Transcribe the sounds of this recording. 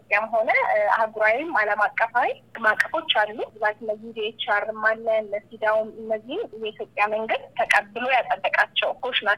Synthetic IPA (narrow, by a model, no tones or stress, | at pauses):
pʼjamɦo̞nəa̰ɡuɾawimaləmakʼːəfawimakʼːəfo̞t͡ʃːalːuɨzat̪nːəzid̪eet͡ʃːaɾɨmalːənsid̪awumɨnːəzːihmjɛit̪ʰjo̞pʼjaməŋɡɨd̪t̪ʰəkʼəbːɨlo̞jat̪ʼːəb̪ːəkʼat͡ʃːɛwkʰoʃna